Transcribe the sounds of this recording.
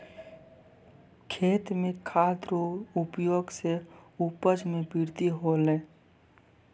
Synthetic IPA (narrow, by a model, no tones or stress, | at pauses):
kʰeːt̪mẽkʰaːt̪ɾoʊpjoːɡseupəd͡ʒmẽbɪɾd̪iɦoleː